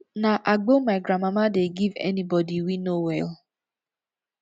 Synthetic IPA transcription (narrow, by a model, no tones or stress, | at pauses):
naʔaɡ͡bomaɪɡɾamamadeɡivɛ̰nibɔdiwinowɛl